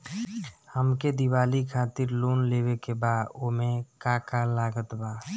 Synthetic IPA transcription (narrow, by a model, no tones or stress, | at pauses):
həmked̪iwaːlikʰaːt̪ɪɾloːnleːwekebaːd̪omẽkaːkalaːɡət̪baː